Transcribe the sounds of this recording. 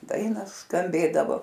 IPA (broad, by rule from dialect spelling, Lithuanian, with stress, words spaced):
ˈdɐɪnɐ skɐmʲˈbʲeːdɐʋoː